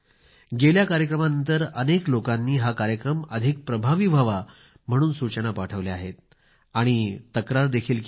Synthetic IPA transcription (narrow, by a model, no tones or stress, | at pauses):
ɡeljakaɾjəkɾəmanənt̪əɾəneklokanːiːɦakaɾjəkɾəməd̪ʱik̚pɾəbʱaʋibʱaʋa | m̤əɽ̃uːnsut͡ɕənapaʈʰəʋleaɦet̪ | aɽ̃it̪əkɾaɾd̪ekʰiːlk